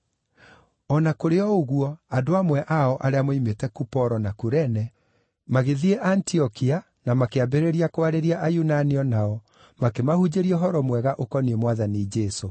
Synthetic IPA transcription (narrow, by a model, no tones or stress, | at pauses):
ɔnakoɾeɔoɣuɔadoamwɛʔaɔʔaɾeamoimetɛkupɔɾɔnakuɾɛnɛ | maɣeðiɛʔantiɔkia | namakeabeɾeɾiakoaɾeɾiaʔajunaniɔnaɔ | makemahud͡ʑeɾiɛɦɔɾɔmwɛɣaʔokɔniemwaðanid͡ʒɛso